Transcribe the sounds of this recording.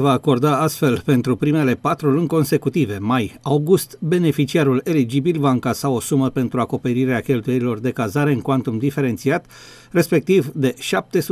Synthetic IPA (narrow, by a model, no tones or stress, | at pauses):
vaːko̞rd̪aast̪fe̞lpe̞nt̪ɾupɾime̞le̞pat̪ɾulɨŋko̞nse̞kut̪ive̞majawɡust̪be̞ne̞fit͡ʃiaɾule̞lid͡ʒibilvaɨŋkasao̞suməpe̞nt̪ɾuako̞pe̞ɾiɾeakʲe̞lt̪uje̞ɾilo̞rd̪e̞kazaɾe̞ɨŋkwant̪umd̪ife̞ɾe̞nt̪siat̪ | re̞spe̞k̚t̪ivd̪e̞ʃap̚t̪e̞su